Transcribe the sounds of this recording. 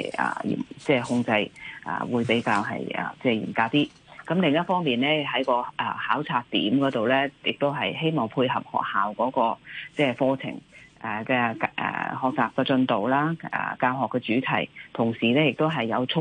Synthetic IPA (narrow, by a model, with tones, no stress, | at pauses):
ʔɐ̰ː˨˩jḭː˨˩t͡sɛː˥˩hʊ˧ŋt͡sɐ˧jʔɐ̰ː˨˩wuː˨˧jpe˨˥jkaː˧wɦɐ̰˨jʔɛ̰˨t͡sɛː˥˩jḭː˨˩nkaː˧w̚t̪iː˥ | kɐ˨˥mlɪ˨ŋjɐ˥t̚fɔː˥ŋmiː˨˩nlɛː˥ɦɐ˨˥jkɔː˧ʔɛ˨˩haː˨˥wt͡sʰaː˧k̚t̪ḭː˨˥mkɔː˨˥t̪o˨wlɛː˥jɪ˨k̚t̪o˥wɦɐ˨jɦe˥jmɔː˨˩ŋpʰuː˧jɦɐ˨p̚hɔ̰ː˨k̚haː˨wkɔː˨˥kɔː˧t͡sɛː˥˩fɔː˧t͡sʰɪ̰˨˩ŋʔɛ˨kɛ˧kʔɛ̰ː˨˩ɦɔː˨k̚t͡saː˨p̚kɛː˧t͡sɵ˧nt̪o˨wlaː˥ɛ̰ː˨˩kaː˧wɦɔː˨kːɛː˧t͡syː˨˥t̪ʰɐ̰˨˩jt̪ʰʊ˨˩ŋsiː˨lɛː˥jɪ˨k̚t̪o˥wɦɐ˨jːɐ˨˧wt͡sʰʊ˥